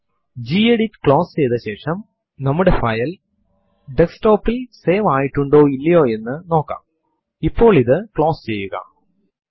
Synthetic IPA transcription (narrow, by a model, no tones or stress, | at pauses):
d͡ʑiːeɽitːkɭo̞ːst͡ɕejt̪ɐɕe̞ːʂɐm | nɐmːuɽefɐjɐl | ɖeksʈo̞ːpːilse̞ːʋaːjiʈːuɳɖo̞ːilːɐjo̞ːe̞nːɨno̞ːkːa̰ːm | ipːo̞ːɭiðɨkɭo̞ːst͡ɕe̞jːuɣɐ̰